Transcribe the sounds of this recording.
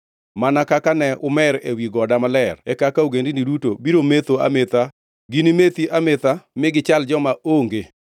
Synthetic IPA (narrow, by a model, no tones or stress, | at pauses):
manakakanɛʊmɛɾḛwiɡɔdamalɛrɛkakaoɡendinidutobiɾomet̪oa̰met̪a | ɡinimet̪iʔamɪt̪amɪɡɪt͡ʃald͡ʒɔmaoŋɡe